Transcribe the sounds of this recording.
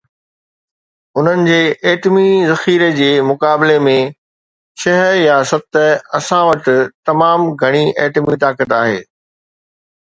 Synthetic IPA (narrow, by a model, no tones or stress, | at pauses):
ʊn̤ənɪ̆d͡ʑeːʔeːʈmizɐxiːɾed͡ʑeːmʊkaːbɪlemẽ | ʃɐɦəjasɐt̪əɐsãʋɐt̪ɪ̆t̪ɐmaːmɡʱɐɽ̃iʔeːʈmit̪aːkət̪aːɦḛː